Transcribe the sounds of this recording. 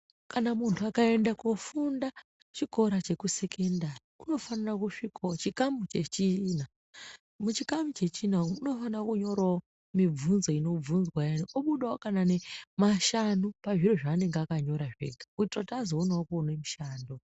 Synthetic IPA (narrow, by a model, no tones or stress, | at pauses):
kanamuntʰuakae̞ndakofunda | t͡ʃiko̞ɾat͡ʃe̞kuse̞kʰendarikuno̞fanarakuʂikʰoot͡ʃikamut͡ʃe̞t͡ʃina | mut͡ʃikamut͡ʃe̞t͡ʃinauno̞fanakuɲo̞ɾao | mib͡vunzo̞ino̞b͡vunzwajaniʔoɓuɗaokanane̞maʃanupaʐiroʐaːne̞ŋɡeakaɲo̞ɾaʐḛɡautrotaːzoonaokonemiʃaːndo